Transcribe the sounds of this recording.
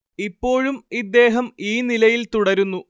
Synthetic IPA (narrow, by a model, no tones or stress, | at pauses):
ipːo̞ːɻumid̪ːe̞ːɦɐmiːnilɐjilt̪uɽɐɾunːu